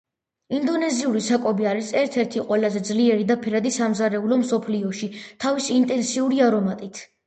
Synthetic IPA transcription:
ind̪ɔnɛziuɾisakʼɔbiaɾisɛɾt̪ʰɛɾt̪ʰiqʼwɛlazɛd̪zliɛɾid̪apʰɛɾad̪isamzaɾɛulɔmsɔpʰliɔʃit̪ʰavisiːnt̪ʼɛnsiuɾiaɾɔmat̪ʼit̪ʰ

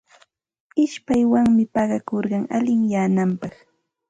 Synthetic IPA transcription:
ɪʃpajwaŋmɪpɑɢɑkoɾɢɑŋalɪŋjaːnampɑχ

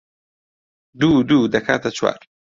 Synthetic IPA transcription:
d̪uːd̪uːd̪ɐkʰa̰ːt̪ɐt͡ʃʰwa̰ːɾ

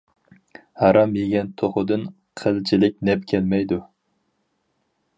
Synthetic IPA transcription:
hɑɾɑmjeɡʲɛnt̪ʰoχʊd̪ɨn | qʰəlt͡ʃʰilɪk̚ʲnɛpkʲʰɛlmɛjd̪u

